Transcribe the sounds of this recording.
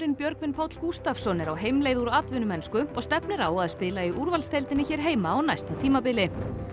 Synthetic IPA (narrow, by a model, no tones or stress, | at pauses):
ɾɪnpjœɾkvɪnpʰaːwt̪l̥kust̪afsɔnːɪɾawɦejmleːjðuɾat̪vʏnʏmɛnskʏɔɣst̪ɛpnɪɾaːwaðspɪːlaiʔuɾvalst̪ʰejlt̪ɪnɪçɛːɾ̥ɦeːjmaːwnajst̪at̪ʰiːmapɪːlɪ